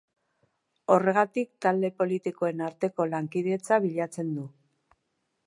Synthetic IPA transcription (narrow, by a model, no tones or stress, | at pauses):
o̞re̞ɣ̞at̪ik̚t̪ald̪e̞po̞lit̪ikoe̞naɾt̪e̞ko̞laŋkiðee̞t͡saβiʎat͡se̞nd̪u